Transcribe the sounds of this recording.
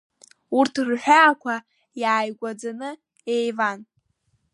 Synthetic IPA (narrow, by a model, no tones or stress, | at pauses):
urtʰrħʷᶣaːkʷʰa | jaːjɡʷad͡zanɨ | ejvan